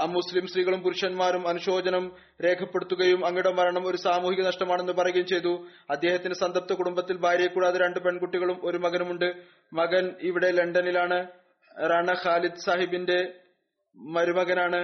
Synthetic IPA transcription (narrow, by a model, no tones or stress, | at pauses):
ɐmːuslimsriːɣɐɭumpuɾuʂɐnmaːɾumɐnuɕo̞ːd͡ʑɐnɐm | ɾe̞ːkʰɐpːe̞ɽut̪ːuɣɐjumɐŋːiɽɐmʋɐɾɐɳɐmo̞ɾusaːmuːhiɣɐnɐʂʈɐmaːɳe̞nːupɐrɐɣɐjumt͡ɕe̞jt̪ːu | ɐd̪ːe̞ːhɐt̪ːindesɐnd̪ɐp̚t̪ːɐkuɽumbɐt̪ːilbʱaːɾɐjɐkːuːɽaːðɨɾe̞ɳɖɨpe̞ɳkuʈːiɣɐɭumo̞ɾumɐɣɐnumuɳɖɨ | mɐɣɐniʋiɽe̞le̞ɳɖɐnilaːɳɨ | raːɳɐxaːlid̪saːɦibinde̞ | mɐɾumɐɣɐnaːɳɨ